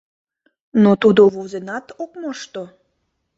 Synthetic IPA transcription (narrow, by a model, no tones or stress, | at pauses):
not̪ud̪oβozenɑt̪okmɑʃt̪o